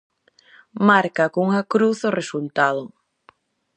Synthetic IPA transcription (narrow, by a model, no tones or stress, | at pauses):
maɾkakuŋakɾuθoresult̪að̞o